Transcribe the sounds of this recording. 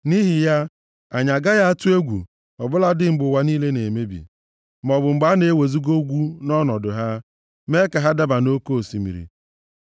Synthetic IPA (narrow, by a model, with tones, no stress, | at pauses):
ni˦ɦi˨ja˦ | a˨ɲa˨ɡa˦ja˦a˦tʊ˦e˦ɡʷṵ˨ | ɔ˨bʊ˦la˦dɪ˦ŋ͡m̩˨ɡ͡bʊ˨wa˨niː˦le˦ne˨me˦bḭ˨ | m˨ɔ˨bʊ˨ŋ͡m̩˨ɡ͡ba˨˦ne˨e˦we˨zi˦ɡo˦ɡʷu˦nɔ˦nɔ˨dʊ˨ɦa˦ | me˦ka˨ɦa˦da˦ba˨no˦ko˦o˨si˨mḭ˨ɾḭ˨